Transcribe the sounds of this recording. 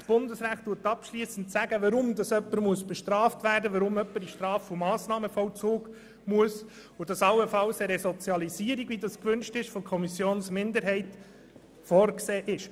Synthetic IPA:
sb̥ʊndəsɾæːχtːuːətɑpʃliːsən̩tsæɡəʋɑɾʊmdɑsœpːəɾmuəsb̥ɛʃtɾɑːftʋæːɾdəʋɑɾʊmœpːəɾiʃtɾɑːfomɑːsnɑːməfɔwt͡suːɡ | muəs | ʊdɑsɑlːəfɑlsəɾɛsɔt͡sjɑlisiːəɾiɡʋidɑskʋʏnʃtɪʃfɔkʰɔmisjoːnsmɪndəɾɦɛɪt | fɔɾkseːʔɪʃ

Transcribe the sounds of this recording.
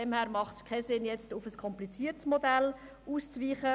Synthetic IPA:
ɛmhæːɾmɑχtskʰɛsɪnjɛt͡stufəskʰɔmplit͡siːəɾtsmodɛl | uːst͡sviːχə

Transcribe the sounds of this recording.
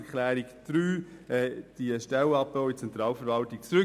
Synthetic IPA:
kʰlæːɾikd̪̥ɾyːɛːd̥iəʃtɛlɑp̚boʊit͡sɛnt̪ɾɑːlfəɾʋɑltik̚t͡sɾʏ

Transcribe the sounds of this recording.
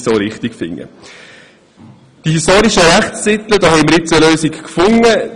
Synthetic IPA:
soːɾɪχtikfɪ̰ŋːə̰ | d̥ihistoːɾiʃəɾæχt͡sːɪt̪lədɑːhɛɪməɾɪt͡səløːsikkfʊŋə

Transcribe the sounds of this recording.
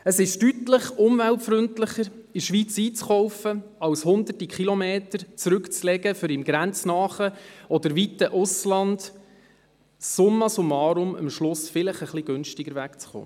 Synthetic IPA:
əsɪʃtytləχʊmvæltfɾʏntləχəɾiʃʋit͡siːt͡sχɔwfəɑwshʊnd̪ərtikʰχilɔmeːtəɾt͡sɾʉkt͡slɛɡəfʏɾɪmɡɾænt͡snɑːχəɔd̪əɾʋitəʔʊslɑnd | ʊmːɑsʊmɑːɾʊmə̰mʃlʊsfɪləχəχliɡ̥ʉnʃtɪɡəɾʋækt͡sχo̰ː

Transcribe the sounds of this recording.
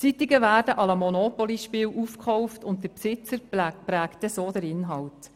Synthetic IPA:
t͡sitiɡəvæːɾdəʔɑləmɔnopɔliʃpɪːwʔufkχɔwftʊnttəɾpsɪt͡səɾpɾæːktɛsoːdəɾɪnɦɑwt

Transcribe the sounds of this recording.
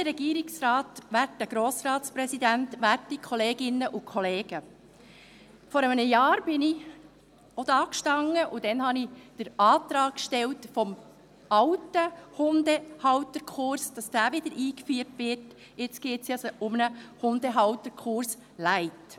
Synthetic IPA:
dəɾɛɡiːɾɪksɾɑːtʋætːəɡ̥ɾoːsɾɑːtspɾɛsidæntʋærtikʰχɔleːɡɪnːəʔʊkʰχɔleːɡ̥ə | fɔɾəmnəjɑːɾb̥ɪni | ɔd̥ɑːkʃtɑŋːəʔʊd̥ɛnhɑnid̥əɾɑːt̪ɾɑːkːʃtɛltfɔm | ɑwtəhʊndəhɑwtəɾkʰʊɾsd̥ɑsd̥æːʋɪd̥̪əɾʔiːkfyːərtʋɪrt | ɪt͡sɡ̥eːtsjɑsʊmnəhʊnd̥̪əɦɑwt̪əɾkʰχʊɾs | læɪt

